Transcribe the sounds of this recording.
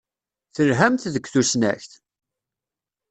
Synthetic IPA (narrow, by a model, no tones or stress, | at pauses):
θəɾɦæmt̪ðəɡʷθusnæ̰çθ